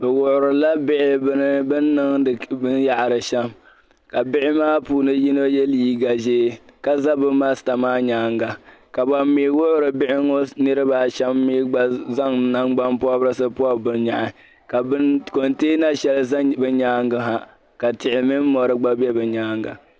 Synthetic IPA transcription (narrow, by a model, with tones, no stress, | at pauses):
bɛ˨wʊ˨ʔʊ˨ɾɨ˨la˦bɪ˦ʔɪ˦bɨ˦nɨ˦bɨ˦nːɨ˦ŋ˨bɨ˦nja˨ʔɾɨ˨ʃɛ˦m | ka˨bɪ˦ʔɪ˦maː˦puː˦nɨ˦ji˦no˦jɛ˦liː˦ɡa˨ʒeː˦ka˦za˦bɨ˦ma˦sta˨maː˦ɲaː˦ŋɡa˨ka˨ba˨mːiː˨˦wʊ˦ʔʊ˦ɾɨ˨bɪ˦ʔɪ˦ŋo˦nɨ˦ɾɨ˦baː˨ʃɛ˦mːi˦ɡ͡ba˦za˦ŋna˦ŋɡ͡ba˦mpʊ˦a˦bɾɨ˦sɨ˦pʊ˦a˦bɨ˨nɲa˨ʔɪ˨ | ka˨bko˨nteː˦na˦ʃɛ˦lzbɨ˦ɲaː˦ŋɡa˦ɦa˦ | ka˨tɪ˨ʔɪ˨mɪ˦n˦mɔ˨ɾɨ˦ɡ͡ba˦bɛ˦bɨ˨ɲaː˦ŋɡa̰˨